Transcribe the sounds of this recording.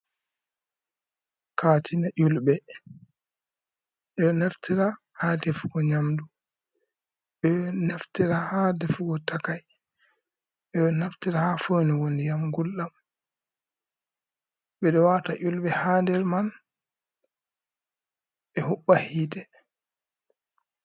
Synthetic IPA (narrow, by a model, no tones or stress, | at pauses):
kʰaːtinaʔulbɛ | ʔɛɗɔnaftiɾa | hadefuɡɔɲamdu | ɓɛnaftiɾahadɛfuɡɔtakaj | ʔɛɗɔnaftiɾahafoniwonijamɡulɗam | ɓɛɗɔwataʔulɓɛhandɛɾman | ɓɛhuɓːahiːdɛ